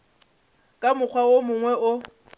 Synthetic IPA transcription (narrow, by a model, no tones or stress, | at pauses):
kʼamʊk͡xʰwaomʊŋwɛʔʊ